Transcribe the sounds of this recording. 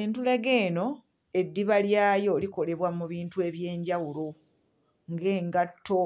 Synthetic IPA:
entule̞ɡe̞ːno̞ | e̞dːiβaljaːjo̞ːliko̞le̞βwamuβiːntue̞βje̞ːɲɟawulo̞ | ŋɡe̞ːŋɡatʰːo

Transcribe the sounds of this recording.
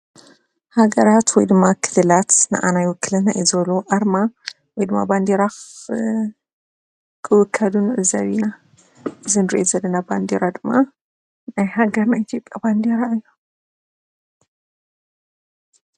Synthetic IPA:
haɡɐɾat̪wɔ̰jd̪ɨmːakʰɨ̥lɨlat̪nɨ̰ʔa̰najwʊkʰːɨlɨnaʔizɐloʔaɾma | wɔjd̪ɨmːa̰band̪eɾa | kʰɨwɨkʰːɐlunɨʔɨzːɐ̰βina | ʔɨzɨnɨɾḭʔozɐlːɐnaband̪eɾad̪ɨmːa | najhaɡɐɾnajit̪ʰjo̞pʼjaband̪eɾaɨjːa

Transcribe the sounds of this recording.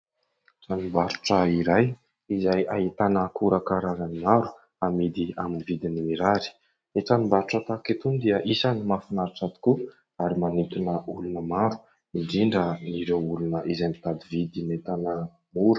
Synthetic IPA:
ʈ͡ʂanumbaɾuʈ͡ʂəiɾaj | izajait̪anəkuɾakaɾazanimaɾu̥ | amid̪iaminivid̪inimiɾaɾi̥ | iʈ͡ʂanumbaɾuʈ͡ʂət̪akit̪und̪iəʔisanimafinaɾiʈ͡ʂat̪i̥ku | aɾimanit̪unəulunəmaɾu̥ | iɳɖ͡ʐiɳɖ͡ʐəniɾewulunəʔizajmit̪ad̪ivid̪imet̪anə | muɾə

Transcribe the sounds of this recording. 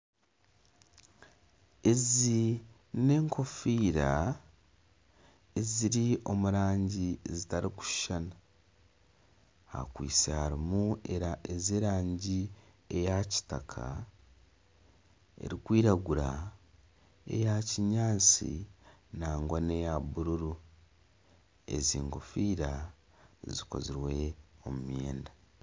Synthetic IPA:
e̞zi | nne̞ːŋkʰo̞fiːɾa | eziɾio̞muɾaːɲɟiezitaɾiku̥ʃʃana | ha̰kwḭːt͡sehaɾimue̞ɾaʔezeːɾaːɲɟi | e̞jaci̥takʰa̰ | e̞̰ɾikwiːɾaɡuɾa | e̞̰jaciɲaːt͡sḭnaːŋɡwane̞jabuɾuɾu | e̞̰ziːŋɡofiːɾa | ziko̞̰ziɾwe̞omumje̞ːnda

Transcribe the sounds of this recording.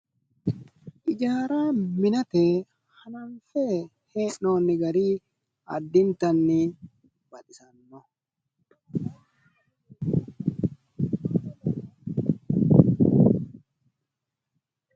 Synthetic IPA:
ʔɪd͡ʒaːɾaːmɪnɐt̪eː | hɐnɐnfeː | heːnːoːnːɪɡɐɾiː | ɐ̰d̪ːɪnt̪ɐnːɪ | bɐᶑ̪ɪsɐnːɔ

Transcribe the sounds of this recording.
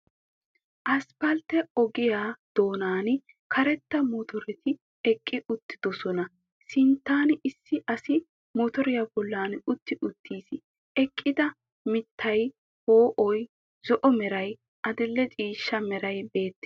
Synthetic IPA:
ʔɐspɐlt̪ɛɔɡɪjaːd̪̥o̞ːnaːn | kʰɐɾɛt̪ːɐmɔt̪ɔɾɛt̪ɪ | ɛkʼːɪʊt̪ːɪd̪ɔsɔnɐ | sɪnt̪ːaːnɪsːɪʔɐsɪ | mɔt̪ɔɾɪjabɔlːaːnʊt̪ːɪʔʊt̪ːiːsɪ | ɛkʼːɪd̪ɐ | mɪt̪ʰːɐj | hoːʔɔj | z̥ɔʔɔmɛɾɐj | ʔɐd̪ɪlːɛt͡ʃʼiːʃːɐmɛɾɐjbe̞ːt̪ːɛ̥

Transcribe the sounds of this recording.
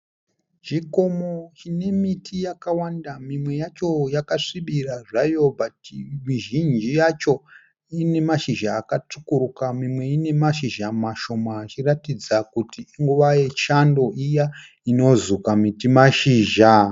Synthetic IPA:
d͡ʒiko̞mot͡ʃine̞mitʰijakawandamimwe̞jat͡ʃo̞jakaʂiɓiraʐajo̞bʱatimiʒind͡ʒijat͡ʃo̞ | ine̞maʃiʒaːkatukuɾukamimwe̞ine̞maʃiʒamaʃo̞maːt͡ʃiratid͡zakutiiŋɡuʋaje̞t͡ʃando̞ʔija | ino̞zukamitimaʃiːʒa

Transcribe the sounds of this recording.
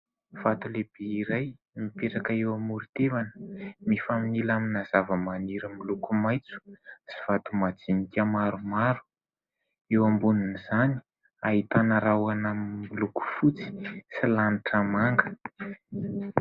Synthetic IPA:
v̥at̪uleb̥eiɾaj | mipeʈ͡ʂakəewamuɾit̪evanə̥mifaminilaminazavəmaniɾəmilukumajt͡su̥z̥iv̥at̪umad͡zinikʲamaɾumaɾu̥ | ewambuniniz̥ani̥ | aɦit̪anəɾawanamimiluku̥fut͡si̥silaniʈ͡ʂamaŋɡə̥

